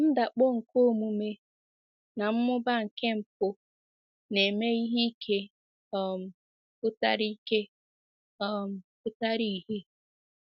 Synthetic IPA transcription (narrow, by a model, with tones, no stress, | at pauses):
n̩˦da˨k͡po˦ŋ̩˨ko˦˨mu˨me˦ | na˨m̩˦mʊ˦ba˦ŋ̩˨ke˦m̩˨p̚ʊ˦ | ne˨me˦i˦ɦi˦kʰe˦˨ | m̩˨ | pʊ˦ta˦ɾi˦ke˦ | ɔ˦m̩˨pʊ˦ta˦ɾi˦˨ɦi˦